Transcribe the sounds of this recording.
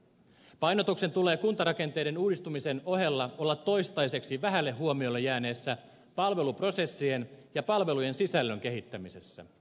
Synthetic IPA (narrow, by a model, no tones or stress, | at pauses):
pɑjno̞t̪ukse̞nt̪ule̞ːkunt̪ɑɾɑke̞nt̪e̞jde̞nuːdist̪umise̞no̞ɦe̞lːɑo̞lːɑt̪ːo̞jst̪ɑjse̞ksiʋæɦælːehːuomiolːejæːne̞ːsːæ | pɑlʋe̞lupro̞se̞sːie̞njɑpɑlʋe̞luje̞nsisælːøŋk̟e̞ɦit̪ːæmise̞sːæ̰